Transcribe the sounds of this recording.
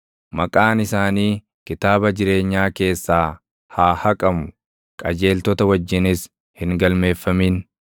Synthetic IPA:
mɐkʼaːnɪsaːniː | kɪt̪aːbɐd͡ʒɪɾe̞ːɲːaːke̞ːsːaː | haːhɐkʼɐmʊ | kʼɐd͡ʒe̞ːlt̪ɔt̪ɐwɐd͡ʒːɪnɪs | hɪŋɡɐlme̞ːfːɐmiːn

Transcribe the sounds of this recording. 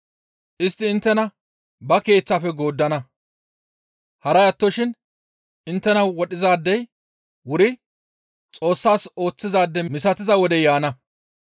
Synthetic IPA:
ʔɪst̪ːɪːnt̪ːɛnɐ | bɐke̞ːt͡sːaːfɛɡo̞ːd̪ːɐnɐ | hɐɾɐjɐt̪ːɔʃɪn | ʔɪnt̪ːɛnɐwɔɗɪzaːd̪ːɛj | wʊɾɪ | t͡sʼo̞ːsːaːso̞ːt͡sːɪzaːd̪ːɛmɪsɐt̪ɪzɐwɔd̪ɛjaːnɐ

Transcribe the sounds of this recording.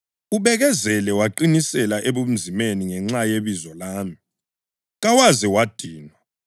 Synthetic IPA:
uβɛɣɛzɛlɛwaǃinisɛlaʔeβum̩zimeniŋɛŋ͡ǁajeβizɔlaːmi | ɣawazɛwad̥ʱiːnwa

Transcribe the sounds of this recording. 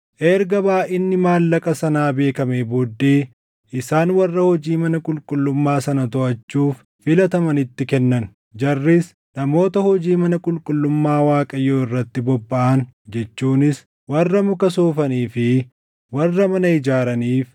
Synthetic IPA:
ʔɛɾɡɐbaːʔɪnːɪmaːlːɐkʼɐsɐnaːbe̞ːkɐmeːboːd̪ːeː | ʔɪsaːnwɐrːɐhɔd͡ʒiːmɐnɐkʼʊlkʼʊlːʊmːaːsɐnɐt̪ɔʔɐt͡ʃːuːf | fɪlɐt̪ɐmɐnɪt̪ːɪkɛnːɐn | d͡ʒɐrːɪs | nɐmo̞ːt̪ɐhɔd͡ʒiːmɐnɐkʼʊlkʼʊlːʊmːaːwaːkʼɐjːoːɪrːɐt̪ːɪbɔbːɐʔɐnd͡ʒɛt͡ʃːuːnɪs | wɐrːɐmʊkɐsoːfɐniːfɪ | wɐrːɐmɐnɐɪd͡ʒaːɾɐniːf

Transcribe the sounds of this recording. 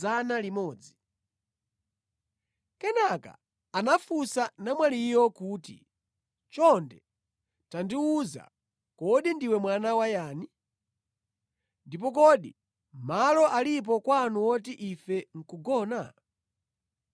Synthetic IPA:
analimɔːd͡zi | kɛnaka̰ | anafusanamwalijɔkuːtḭ | t͡ʃɔndɛ | tandiuza̰ | kɔɗindiwɛmwanawajaːni | ndipɔkɔɗi | malɔʔalip̬ɔkwanuwɔt̬iʔifɛŋ̩kuɡɔːna̰

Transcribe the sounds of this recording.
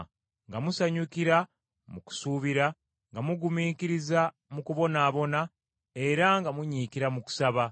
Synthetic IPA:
ŋɡamusaɲukiɾa | muku̥suːβiɾa | ŋɡamuɡumiːkiɾiza | mukuβo̞naːβo̞na | e̞ɾaŋɡamuɲiːkiɾamuku̥saβa

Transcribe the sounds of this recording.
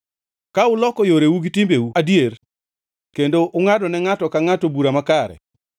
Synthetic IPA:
kaʊlɔkɔjoɾewuɡitɪmbewuadjer | kendoʔʊŋadɔnɛŋatɔkaŋatobuɾamakaɾɛ̰

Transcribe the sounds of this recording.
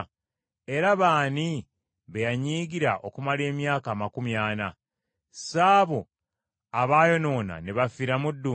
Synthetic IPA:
e̞ɾaβaːni | βejaɲiːɡiɾaʔo̞kumale̞ːmjaːkaːmakumjaːna | saːβo | aβaːjo̞no̞ːna̰neβafiɾamudːu

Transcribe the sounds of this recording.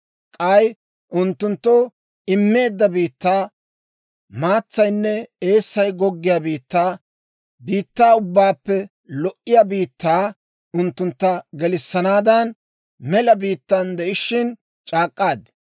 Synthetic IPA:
kʼɐj | ʔʊnt̪ːʊnt̪ːɔ | ɪmːe̞ːd̪ːɐbiːt̪ːaː | maːt͡sːɐjnːɛeːsːɐjɡɔɡːɪjaːbiːt̪ːaː | biːt̪ːaːʊbːaːpːɛ | lɔʔɪjaːbiːt̪ːaː | ʊnt̪ːʊnt̪ːɐɡɛlɪsːɐnaːd̪ɐn | mɛlɐbiːt̪ːand̪ɛʔɪʃɪn | t͡ʃʼaːkʼːaːd̪

